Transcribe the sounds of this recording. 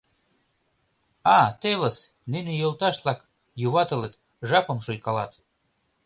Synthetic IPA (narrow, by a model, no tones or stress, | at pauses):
ɑt̪eləsninejolt̪ɑʃt̪lɑk | juβɑt̪ə̆let̪ | ʒɑpɤ̆mʃojkɑlɑ̰t̪